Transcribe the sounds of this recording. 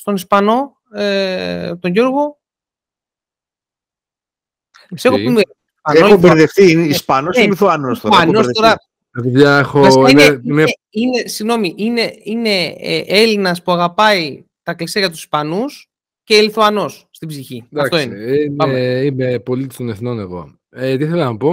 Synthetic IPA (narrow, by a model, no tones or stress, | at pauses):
st̪o̞nispɐno̞ | et̪oɲʝo̞ɾɣo̞ | sexome | pɐneouveɾðefθiispɐnosliθuɐnosst̪oɐnosðt̪o̞ɾɐ | ɐt̪iðʝɐexoɐsinene | inesiɣno̞miʔine̞ine̞̰elinɐspuɐɣɐpɐi | t̪ɐkliseʝɐt̪usi̥spɐnus | celiθuɐno̞sːt̪ibziçid̪ɐfɐkt̪oineinɐimepo̞lit̪ist̪oneθno̞neɣo̞̰ | et̪iiθelɐnɐpo̞